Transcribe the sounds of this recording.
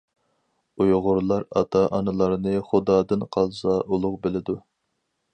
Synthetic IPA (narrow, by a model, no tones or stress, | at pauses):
ujʁʊɾlˠɑɾɑ̰t̪ʰɑʔɑnɨlˠɑɾnɨχʊd̪ɑːd̪ɨnqʰɑlˠsɑʔulˠʊqbɪlɪd̪u